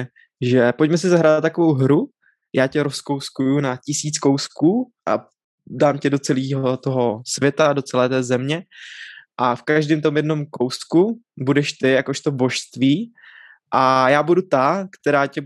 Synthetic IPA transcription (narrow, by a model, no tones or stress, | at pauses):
ʒɛpo̞cmɛs̬ɪzaɦɾaːdt̪t̪ːakovo̞wɦɾu | jʔaːcɛɾosko̞wskujunacɪsiːt͡sko̞wskuːʔa̰ | daːmcɛdo̞t͡sɛliːɦo̞t̪o̞ɦosvjɛt̪ado̞t͡sɛlɛːt̪ɛːzɛmɲɛ | ʔafkaʒdiːmt̪omjɛdno̞mkowskubudɛʃt̪ɪjako̞ʃt̪obo̞ʃst̪viː | ʔajaːbudut̪akt̪ɛɾaːcɛ